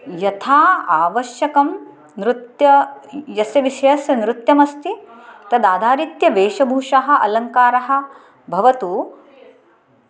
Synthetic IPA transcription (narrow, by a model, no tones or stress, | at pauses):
jɐt̪ʰaːaːʋɐʃjɐkɐm | nɾut̪jɐjɐsjɐʋiʃɐjɐsjɐnɾut̪jɐmɐst̪it̪ɐd̪aːd̪ʱaːɾit̪jɐʋeːʃɐbʱuːʂaɦɐ̆ʔɐ̰lɐŋkaːɾɐɦɐ̆ | bʱɐʋɐt̪u